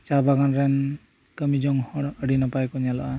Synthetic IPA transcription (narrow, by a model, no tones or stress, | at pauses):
t͡ʃabaɡanɾɛn | kəmid͡ʒɔŋhɔɽəɽinɔpajkɔɲalɔa